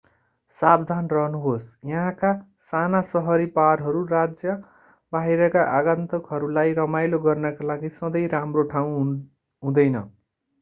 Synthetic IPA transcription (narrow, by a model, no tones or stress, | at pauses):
sabd̪ʱanrʌɦnuɦosjʌɦãka | sanasʌɦʌɾipaɾɦʌɾurad͡zjʌ | baɦiɾʌkaʔaɡãnt̪ʌkɦʌɾulajɾʌmajloɡʌrnʌkalaɡisʌd̪ʌjɾamroʈʰaw̃ | ɦũd̪ʌjnʌ